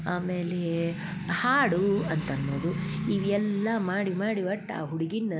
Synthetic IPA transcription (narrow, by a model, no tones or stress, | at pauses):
aːmeːle | haːɽuɐnt̪ɐnːoːd̪uiʋiɛlːɐmaːɽimaːɽiʋɐʈːa̰ːɦuɽiɡinːɐ